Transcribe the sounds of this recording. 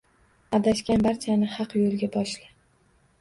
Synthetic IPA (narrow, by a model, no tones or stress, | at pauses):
ad̪aʃkʲanbaɾt̪ʰʲijanɪhɑqjolˠɡʲabɒʃlɪ